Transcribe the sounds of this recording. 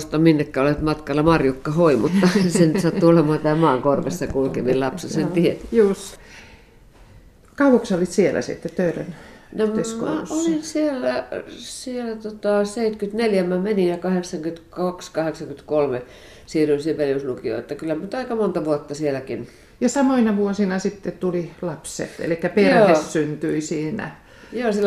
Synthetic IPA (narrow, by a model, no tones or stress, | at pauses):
st̪ɑminːekːæːolet̪mɑt̪kɑlːɑmɑrjukːɑhoimut̪ːɑsenyt̪sɑt̪ːuolemɑːnt̪æːmɑːŋkorʋesːɑkulkemillɑpsesent̪iet̪juːs | kɑuʋuksolːit̪sielæ̰sḭt̪ːet̪tøyræ̰nnomskmæolinsielːæsielæt̪ot̪ɑseit̪kyt̪neljæmæmeninjɑkɑheksɑŋkyt̪kɑkskɑheksɑŋkyt̪kolme | siːrynsiʋeljuslukio̰et̪ːækylːæmnyt̪ɑikɑmont̪ɑʋuot̪ːɑsielækin | jɑsɑmoinɑʋuosinɑsit̪ːet̪ulilɑpsḛt̪ḛlikːæperæːessynt̪yisiːnæ̰ | joːsilː